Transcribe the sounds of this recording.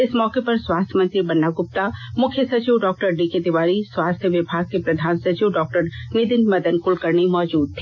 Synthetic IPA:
ɪsmɔːkepɐɾswaːst̪ʰjəmɐ̃nt̪ɾibɐnːaɡʊp̚t̪amʊkʰjəsɐt͡ʃiʋɖɔːk̚ʈəɾɖiked̪ɪʋaːɾiswaːst̪ʰjeʋɪbʱaːɡ̚kepɾɐd̪ʱaːnsɐt͡ʃiʋɖɔːk̚ʈəɾnɪd̪ɪnmɐd̪ənkʊlkɐɾnimɔːd͡ʒuːd̪̚t̪ʰːiː

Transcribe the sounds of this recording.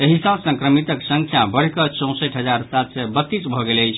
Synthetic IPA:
eɦisə̃sə̃ŋkɾəmit̪əksə̃ŋkʰjabəɽ̤kət͡ʃɔ̃w̃səʈɦəd͡ʒaɾsat̪sɛbət̪ːit͡ʃbʱɔɡeləjt͡ʃʰ

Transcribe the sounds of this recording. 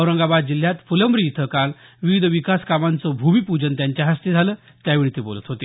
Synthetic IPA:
əʋɾəŋɡabad̪̚d͡ʑil̤ːjat̪fuləmbɾiːt̪ʰəkalʋiʋid̪ʱʋikaskamant͡sɔbʱumipud͡ʑənt̪jaɲt͡ɕjaɦəst̪ed͡zʱaləː | t̪jaʋiɭit̪ebo̰lət̪ɦot̪e

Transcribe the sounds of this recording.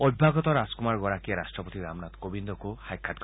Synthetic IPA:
ɔbbʱaɡɔt̪ɔɾaskumaɾɡɔɾakiaɾasʈɾɔpot̪iɾamnat̪kobind̪ɔkuhajkʰːat̪ɡ

